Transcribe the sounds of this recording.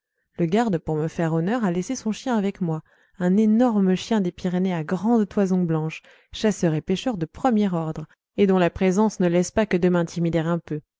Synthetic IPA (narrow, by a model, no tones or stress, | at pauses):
ləɡaʁd̪puʁməfɛʁɔnœʁalesesɔ̃ʃjɛ̃avɛkmwa | ɛ̃nenɔʁməʃjɛ̃d̪epiʁeneaɡʁɑ̃d̪t̪wazɔ̃blɑ̃ʃ | ʃasœʁepeʃœʁd̪əpχəmjɛʁɔʁd̪ʁ | ed̪ɔ̃lapχezɑ̃snəlɛspakəd̪əmɛ̃t̪imid̪ɛʁɛ̃pø